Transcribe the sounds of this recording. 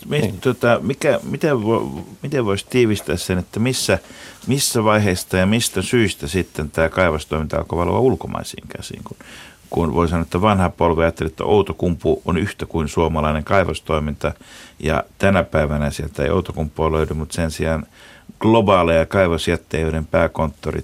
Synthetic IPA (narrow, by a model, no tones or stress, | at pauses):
mit̪uot̪ɑmikæmit̪eʋomit̪eʋʋoist̪iːʋist̪æːssenet̪ːæmisːæmisːæʋɑiheist̪ɑjɑmist̪æsyist̪æsit̪ːent̪æːkɑiʋɑst̪oimint̪ɑ̰lkoʋɑlʋɑ̰ulkomɑ̰isḭːŋkæ̰sḭːŋkun | kunʋo̰isɑnːoet̪ːæʋɑnhɑpolʋeɑjɑt̪ːelet̪ːæ̰ʔout̪okumpuo̰nyht̪ækuinsuomɑlɑineŋkɑiʋɑst̪oimint̪ɑjɑ̰t̪ænæpæiʋænæsielt̪ːæḛio̰ut̪okumpˑːoːløydymut̪sensiɑnɡ̥lobɑːlejɑkɑiʋɑsjæt̪ːejøɾempæːkont̪ːorḭ